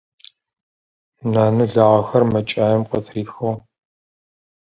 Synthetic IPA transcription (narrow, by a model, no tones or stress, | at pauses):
naːnɨɮaʁɐxɐrmɐt͡ʃʼaːjɛmqɔtʰriːxow